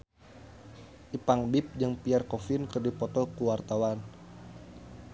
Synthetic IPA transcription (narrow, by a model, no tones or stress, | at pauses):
ʔipaŋbɪp̚d͡ʒəŋpiarkɔfɪnkərdipɔt̪ɔkuwart̪awan